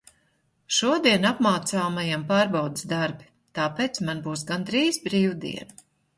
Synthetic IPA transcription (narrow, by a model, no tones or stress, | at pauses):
ʃuɔd̪iɛnapmaːt̪saːmajampaːɾbawd̪ɪsd̪aɾbi | t̪aːpeːt̪smanbuːs̬ɡand̪ɾiːzbɾiːwd̪ḭɛn